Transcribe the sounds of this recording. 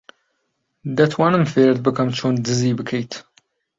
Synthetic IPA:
d̪ɐt̪ʰwanɨmfeːɾd̪̚bɨkʰɐmt͡ʃʰoːnd̪ɨzibɨkʰejt̪

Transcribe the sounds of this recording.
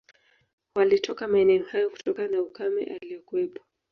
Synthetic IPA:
walitʰɔkamaɛnɛɔhajɔku̥tɔkanaukamɛ̰ʔalijɔkuwɛpɔ̥

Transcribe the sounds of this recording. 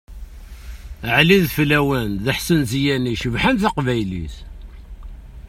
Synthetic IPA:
ʕliðflæwənðəħsənzijæniʃəvħanθaqvæjlḭθ

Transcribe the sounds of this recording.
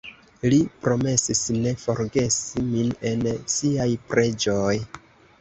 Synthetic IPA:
lipɾo̞me̞sisne̞fo̞ɾɡe̞simine̞nsiajpɾe̞d͡ʒoj

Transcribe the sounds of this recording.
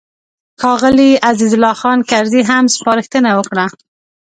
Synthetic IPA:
xɑɣəliʔazizʊlɑxɑnkaɾziɦamspɑɾəxt̪ənawəkɽa

